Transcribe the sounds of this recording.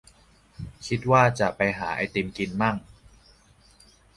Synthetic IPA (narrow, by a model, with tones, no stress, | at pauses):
kʰi˦˥t̪̚waː˥˩t͡ɕa˨˩ʔpa˧jɦaː˩˦ʔa̰˧jt̪i˧mki˧nmaː˥˩ŋ